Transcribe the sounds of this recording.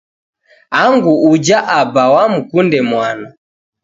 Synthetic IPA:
aŋɡuːd͡ʒaʔabawam̩kundɛmwana

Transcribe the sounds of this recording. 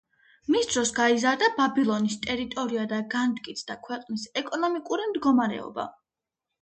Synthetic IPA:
misd̪ɾɔsɡaizaɾd̪ababilˠɔnist̪ʼɛɾit̪ʼɔɾiad̪aɡant̪ʼkʼit̪sʰd̪akʰwɛqʼnisɛkʼɔnɔmikʼuɾimd̪ɡɔmaɾɛ̰ɔ̰ba̰

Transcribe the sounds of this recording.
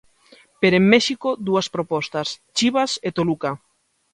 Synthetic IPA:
peɾemːɛʃikod̪uaspɾopɔst̪ast͡ʃiβaset̪oluka

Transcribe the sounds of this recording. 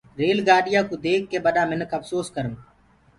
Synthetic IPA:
ɾeːlɡaːɗɪjãːkuːd̪eːkːeːɓəɗaːmɪnəkʰəfsoːskəɾən

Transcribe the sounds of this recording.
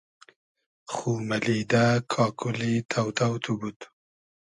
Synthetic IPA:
xumalid̪akʰɑkʰʊlit̪ʰawt̪awt̪ʰubut̪

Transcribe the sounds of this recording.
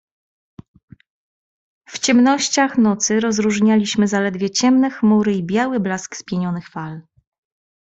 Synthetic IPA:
ft͡ɕɛmnɔɕt͡ɕaxnɔt̪sɘɾɔzɾuʐɲalʲiɕmɘzalɛd̪vʲjɛt͡ɕɛmnɛxmuɾɘibʲjawɘblaskspʲjɛɲɔnɘxfal

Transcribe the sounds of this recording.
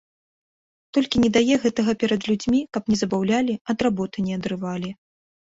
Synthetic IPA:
t̪ɔlʲkʲinʲɛd̪ajɛɣɛt̪ɐɣɐpʲɛɾɐd̪lʲud͡zʲmʲikɐpnʲɛzɐbawlʲalʲiɐd̪rabɔt̪ɨnʲɛɐd̪ɾɨvalʲi

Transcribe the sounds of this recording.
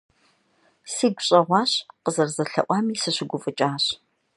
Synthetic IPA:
siːɡʷɕʼɐʁʷɑːɕqəzɐrzɐɬɐ̰ʔʷɑːmiːsɨɕʷɪɡʷʊfʼɨt͡ʃʼaːɕ

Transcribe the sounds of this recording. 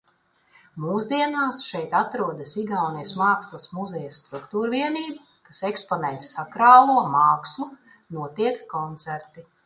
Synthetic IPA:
muːzd̪iɛnaːsʃɛjt̪at̪ɾuɔd̪ɐsiɡawnijsmaːkslˠasmuzɛjast̪ɾukt̪uːɾviɛniːbu | kasekspɔnɛjsːakɾaːlˠuɔmaːksu | nuɔt̪iɛkːɔnt̪sæɾt̪i

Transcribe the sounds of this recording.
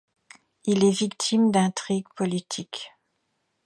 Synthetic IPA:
ilɛvikt̪ʰimd̪ɛ̃t̪χiɡpɔlit̪ʰik

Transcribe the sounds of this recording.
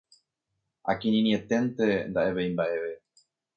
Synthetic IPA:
a̰kĩnĩniet̪e̞nt̪e̞nd̪aʔe̞βejmbaʔe̞ʋe̞

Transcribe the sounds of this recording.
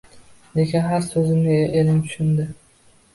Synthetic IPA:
d̪ekʲɪnɦaɾsɵzɪmnɪʔelɪnt̪ʰʊ̥ʃɪnd̪ɪ

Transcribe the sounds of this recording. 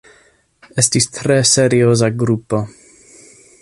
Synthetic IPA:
ɛstistɾɛseɾiozaɡɾupo

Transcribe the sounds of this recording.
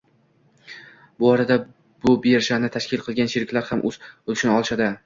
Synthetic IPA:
bʊɒɾad̪a | b̥ʊbeɾʃanɪt̪ʰaʃkʲɪlˠqʰɨlˠɡʲanʃeɾɪkʲlaɾhamʔɵz̥olʃɪnɒlˠʃad̪ɪ

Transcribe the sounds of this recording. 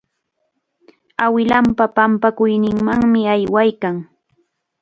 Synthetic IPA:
awɪlampapampakʊjnɪŋmaŋmɪajwajkaŋ

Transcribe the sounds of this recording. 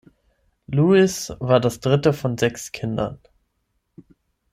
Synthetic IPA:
luːɪsvaːɐdasd̥ʁɪtəfɔnzɛkskʰɪndɐ̰n

